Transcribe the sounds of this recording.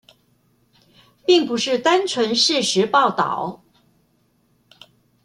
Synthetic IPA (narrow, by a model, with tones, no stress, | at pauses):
pi˥˩ŋpu˧˥ʂɻ̩˥˩t̪a˥nt͡sʰwə˧˥nʂɻ̩˥˩ʂɻ̩˧˥pɑ˥˩ʊt̪ɑ̰˨˩˦ʊ